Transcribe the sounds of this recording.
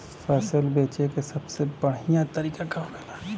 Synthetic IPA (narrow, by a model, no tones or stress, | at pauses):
fɛːsəlbeːt͡ʃekesɐbsebɐɽijãt̪ɐɾiːkakaomelaː